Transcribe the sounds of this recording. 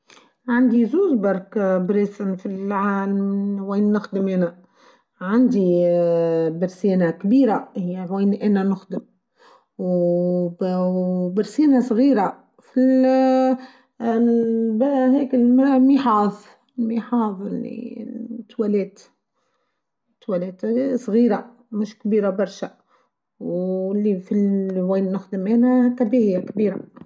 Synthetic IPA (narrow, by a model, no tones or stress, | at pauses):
ʕand̪izuːzbɑɾˤkbɾeːsɪnfilʕalmweːnːʊxd̪ɪmɪna | ʕand̪i | bɪɾseːnakbiːɾahiweːnʔɪnanʊxd̪ɪm | w | bɪɾsiːnasˤɣiːɾa | fil | bæɦɛːkɪlmmiħɑːðˤ | lmiħɑːðˤɪ̰lːḭt̪ːwælɛːt̪ | t̪ːwælɛːt̪sˤɣiːɾa | mʊʃkbiːɾabɑɾˤʃæ | wɪlːifilʕwiːnːʊxd̪əmʔɛːnækæbihɪjːækbiːɾa